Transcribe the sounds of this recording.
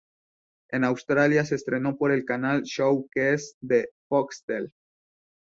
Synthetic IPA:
e̞nawst̪ɾaljasest̪ɾe̞no̞po̞ɾe̞lkanalʃowkesd̪efokst̪el

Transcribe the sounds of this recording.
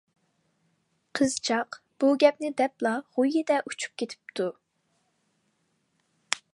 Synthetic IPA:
qʰəzt͡ʃʰɑq | b̥uɡʲɛp̚nɪd̪ɛplˠɑʁujɪd̪ɛʔut͡ʃʰu̥p̚kʲʰet̪ʰɪ̥p̚t̪ʰu

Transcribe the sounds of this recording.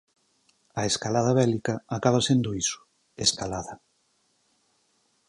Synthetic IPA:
aeskalaðɐβɛlikɐakaβ̞ɐsend̪oisʊ̥ | eskalaðɐ

